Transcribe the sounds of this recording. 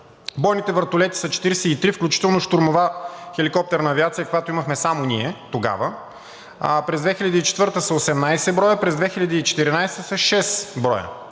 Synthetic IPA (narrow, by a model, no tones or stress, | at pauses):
bɔjnit̪ɛvəɾt̪olɛt̪i̥sɐt͡ʃɛ̥t̪iɾɛsɛit̪ɾifklʲut͡ʃi̥t̪ɛlˠnoʃt̪oɾmovaxɛlikɔp̚t̪ɛɾnɐːviat̪sijəkojat̪oʊiməxmɛsamoniɛt̪oɡa̰və | pɾɛzd̪vɛxilʲɐd̪əit͡ʃɛ̥t̪vɤɾt̪əsɐosɛmnajsɛbɾɔjəpɾɛzd̪vɛxilʲɐd̪iːt͡ʃɛ̥t̪iɾinajst̪əsɐʃɛsbɾɔjə̰